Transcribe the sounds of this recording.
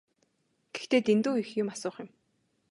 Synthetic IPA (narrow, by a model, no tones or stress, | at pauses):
ɡ̥e̥xt̪eːt̪ent̪uːixjʊmasʊːχjʊm